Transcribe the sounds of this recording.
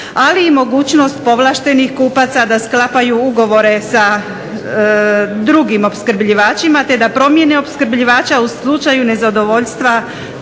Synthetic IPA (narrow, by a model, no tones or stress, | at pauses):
aliːmo̞ɡuːt͡ɕno̞st̪̚po̞ʋlaːʃt̪e̞nixkuːpat̪sad̪asklapajuuɡo̞ʋo̞ɾe̞sa | d̪ɾuɡimo̞pskɾ̩bʎiʋaːt͡ʃimat̪e̞d̪apɾo̞mje̞ne̞o̞pskɾ̩bʎiʋaːt͡ʃauslˠut͡ʃajune̞zad̪o̞ʋo̞ʎst̪ʋa